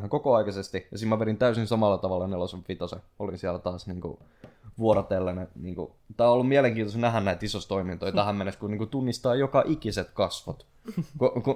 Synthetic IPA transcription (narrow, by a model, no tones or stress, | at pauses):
kokoɑikɑsest̪ijɑsimmæʋeɾint̪æysĩnsɑmɑlːɑt̪ɑʋɑlːɑneloseʋʋit̪ose | olinsiælt̪ɑːsniːŋkṵ | ʋuoɾɑt̪elːæneniːŋkṵ | t̪æːolːumiæleŋkiːnosnæɦænnæit̪isost̪oimint̪oit̪æhæmeneskuniːŋkut̪unːist̪ɑːjokɑʔikiset̪kɑsʋot̪ | koku